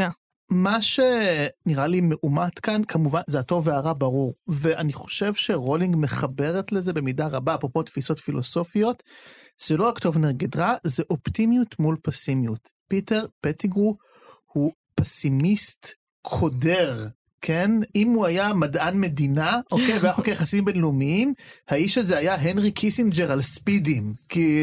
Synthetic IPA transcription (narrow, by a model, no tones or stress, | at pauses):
maʃe̞niʁalimeʔumatkankʰamuvanzeato̞veaʁabaʁuʁveʔaniχo̞̥ʃe̞vʃe̞ʁo̞liŋɡmeχabe̞ʁetlezebemidaʁabaːpʁopo̞tfiso̞tfilo̞so̞fio̞tz̥eloakto̞vneʁɡedʁazeʔoptimjutmulpesimjut | piteʁpetiɡu | hu | pesimist | kʰo̞deʁ | kʰe̞nʔimuajamadʔanme̞dinaʔokejveaχokajaχasimbenlumiimhaiʃazeajaɦenʁikʰisind͡ʒeʁalspidimki